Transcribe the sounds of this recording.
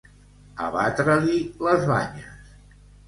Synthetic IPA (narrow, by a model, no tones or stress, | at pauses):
ə̰βat̪ɾəliləzβa̰ɲəs